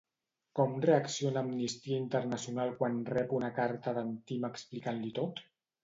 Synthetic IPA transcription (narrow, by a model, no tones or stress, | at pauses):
kɔmreəksionaːmnist̪iaint̪əɾnasijunalˠkwanrɛpunakaɾt̪əðant̪iməksplikanlit̪ot̪